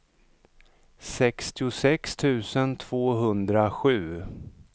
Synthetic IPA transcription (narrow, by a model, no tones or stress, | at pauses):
sɛkst̪ɪʊsɛkst̪ʰʉ̟ːsənt̪ʰv̥oːɦɵnd̪ɾaɧʉ̟ː